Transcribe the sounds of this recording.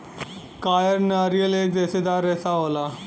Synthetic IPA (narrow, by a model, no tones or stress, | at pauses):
kaːjəɾnaːɾijəleːk̚d̪ɛːsed̪aːɾɛsaɦoːlaː